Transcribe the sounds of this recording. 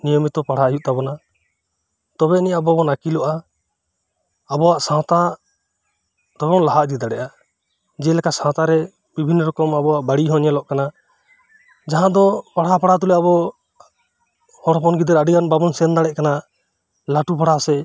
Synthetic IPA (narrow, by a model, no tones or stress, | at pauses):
nijɔmit̪ɔpaɽ̤ajuʔ̪̚t̪abɔna | t̪ɔbɛniʔabɔbɔnakilɔʔa | bɔwaʔsãwt̪a | t̪ɔbɔnlaɦaʔd̪id̪aɽɛʔa | d͡ʒɛlɛkasãwt̪aɾɛ | bibʱinːɔɾɔkɔmabɔwaʔbaɽiɦɔ̃ɲɛlɔʔkana | d͡ʒaɦãd̪ɔpaɽ̤apaɽat̪ulɛabɔ | hɔɽɔpɔnɡid̪aɾaɖiɡanbabɔnsɛnd̪aɽɛʔ̚kana | laʈupaɽ̤asɛ